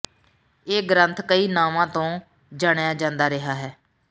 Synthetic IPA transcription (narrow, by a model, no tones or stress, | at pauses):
eːɡɾənt̪ʰkəiːnaːmãːt̪õː | d͡ʒaːɽjaːd͡ʒãːnd̪aːɾɪɦaːɦɛː